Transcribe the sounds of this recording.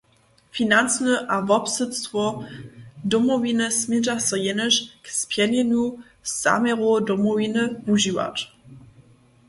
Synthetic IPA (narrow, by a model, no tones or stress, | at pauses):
finant͡snəʔavɔpsət͡stvɔ | dɔmɔvinəsmiʒasɔjɛnəʃkspjɛnɛnu | sa̰mɛʁodɔmɔvinəvuʒiwa̰t